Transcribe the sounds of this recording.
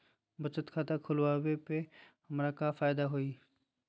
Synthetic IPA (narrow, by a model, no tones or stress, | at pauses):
bət͡ʃət̪kʰat̪akʰʊlwabepehɐmɾakafaːjd̪aɦoi